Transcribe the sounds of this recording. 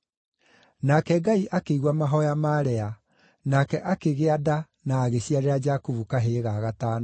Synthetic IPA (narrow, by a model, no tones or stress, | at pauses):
nakɛɡaiʔakeiɣwamaɦɔjamaɾɛa | nakɛʔakeɣeada | naːɣeɕiaɾeɾad͡ʒakuvukaɦeɣaɣataːna